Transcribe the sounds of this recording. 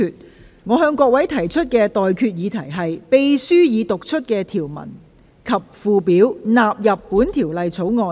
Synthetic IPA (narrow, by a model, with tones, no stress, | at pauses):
yː˨t̚ | ŋɔː˨˧ɦœː˧ŋkʷɔː˧k̚wɐ˨˥jt̪ʰɐ˨˩jt͡ʃʰɵ˥t̚kɛː˧t̪ɔː˨jkʰyː˧t̚jiː˨˧t̪ʰɐ˨˩jɦɐ˨jpe˨jsyː˥jiː˨˧t̪ʊ˨k̚t͡ʃʰɵ˥t̚kɛː˧t̪ʰiː˨˩wmɐ̰˨˩n | kʰɐ˨p̚fuː˨˧piː˨˥wnaː˨p̚jɐ˨pːuː˨˥nt̪ʰiː˨˩wlɐ˨jt͡sʰo˨˥wŋɔː˧